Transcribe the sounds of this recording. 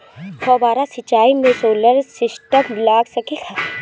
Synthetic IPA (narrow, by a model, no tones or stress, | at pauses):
kʰɔːbaːɾasɪt͡ʃːaːimẽsoːləɾsɪsʈəmlaːɡsəkikʰa